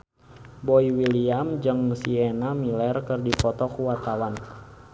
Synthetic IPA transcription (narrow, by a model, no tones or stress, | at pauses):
bɔiwiliamd͡ʒɨŋsiɛnamilɛrkərdipɔt̪ɔkuwat̪awan